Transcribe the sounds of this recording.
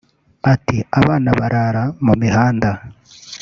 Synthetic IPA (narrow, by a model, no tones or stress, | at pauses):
atiaβaːnaβaɾaɾamumiɦaːnda